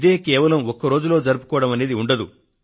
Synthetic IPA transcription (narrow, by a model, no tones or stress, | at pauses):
d̪e̞ːkɛːʋɐlɐmɔkːɐɾo̞ːd͡ʒulo̞ːd͡ʒɐɾupu̥kɔːʋɐɽɐmɐne̞ːd̪iuɳɖɐd̪u